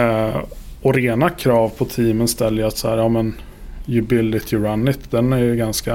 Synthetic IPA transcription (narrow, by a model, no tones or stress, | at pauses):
ɔɾeːnakʰɾɑːvpʰɔt̪ʰiːmənst̪ɛlːəat̪sahæːɾjɑːmɛn | jʉbɪlːɪt̪ʰɪɾanːɪt̪d̪ɛnæɾjɵɡanska